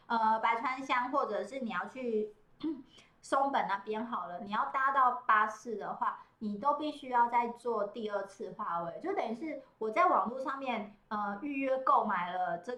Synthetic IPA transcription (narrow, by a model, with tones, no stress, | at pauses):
ə˧pa˧˥ɪtʰwa˦˥nɕjɑ˥ŋxwɔ˥˩ʈ͡ʂɤ˨˩ʂɻ̩˥˩ni˨˩jɑ˥˧ʊt͡ɕʰy˥˩ | so˥ŋpə˨˩na˥˩pjɛ˥˧nxɑ˨˩ʊlə˦ni˨˩jɑ˥˩ʊt̪a˥t̪ɑ˥˩ʊpa˥sɹ̩˥˩d̪ə˩xwa˥˩ni˨˩t̪o˥ʊpi˥˧ɕy˥jɑ˥˧ʊt͡sa˥˧ɪt͡swɔ˥˧t̪i˥˧ə˥˧t͡sʰɹ̩˥˩xwa˥we˧˩ɪt͡ɕjo˥˧ʊ˥t̪ə˨˩y˧˥ʂɻ̩˥˩wɔ˨˩t͡sa˥˩ɪwɑ˨˩ŋlu˥˧ʂɑ˥˧ŋmjɛ˥˩nə˧y˥˧ɥɛ˥˧ko˥˩ʊma˨˩ɪlə˦ʈ͡ʂə˥˩